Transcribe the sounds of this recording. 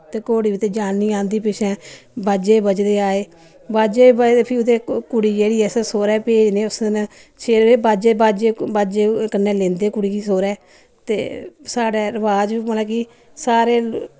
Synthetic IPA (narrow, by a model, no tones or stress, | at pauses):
t̪eːkoːɽiːʋɪt̪eːd͡ʒaːnːiːãːnd̪iːpɪʃɛ̃ː | baːd͡ʒeːbəd͡ʒd̪eːaːeː | baːd͡ʒeːbəepʰɪʊd̪eːkʊɽiːd͡ʒeːɽiːɛːssoːɾɛːpeːd͡ʒneːʊsn | sʰeːeːbaːd͡ʒeːbaːd͡ʒeːbaːd͡ʒeːkənːɛ̃ːlẽːnd̪eːkʊɽiːkiːsoːɾɛː | t̪ḛːsaːɖɛːɾəʋaːd͡ʒiːənɛ̃ːki | saːɾeː